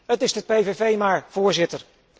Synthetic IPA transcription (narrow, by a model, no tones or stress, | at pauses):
ɦətɪzdəpejvevejmaːɹv̥ʊːɹzɪtəɹ